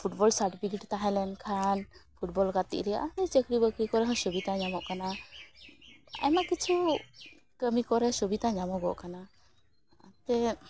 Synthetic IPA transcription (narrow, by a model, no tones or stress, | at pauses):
pʰuʈbɔlsaʈpʰiɡiʈt̪aɦɛlɛnkʰanpʰuʈ̚bɔlɡat̪ḭʔɾɛa̰nit͡ʃəkɾibəkɾikɔɾɛɦɔ̃sɔbit̪aɲamɔʔkana | a̰jmakit͡ʃʰu | kəmikɔɾɛsɔbit̪ãɲamɔɡɔʔkana̰ː | t̪ɛ